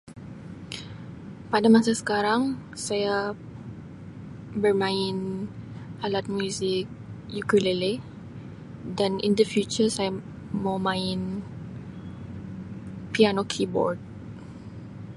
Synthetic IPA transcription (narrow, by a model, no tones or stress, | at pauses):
padamasasə̥kaɾaŋsaja | bərmãɪn | alat̪̚mjuzɪk̚ | jukəlele | danḭndəfjut͡ʃəsaja | mawmãɪn | pianokʰibɔ̰rd̚